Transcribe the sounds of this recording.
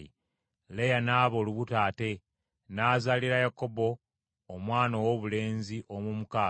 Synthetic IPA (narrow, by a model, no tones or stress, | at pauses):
i | lejanaːβo̞ːluβutaːte̞ | naːzaliɾajako̞bo̞ː | mwaːnowoβule̞ːnziʔomumukaː